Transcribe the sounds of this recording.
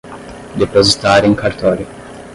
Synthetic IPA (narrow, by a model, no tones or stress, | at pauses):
d̪epozit̪aɾĩŋkaɾt̪ɔɾi